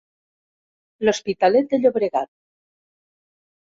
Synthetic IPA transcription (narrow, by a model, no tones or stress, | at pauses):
lospit̪alet̪̚d̪eʎoβɾeɣat̪̚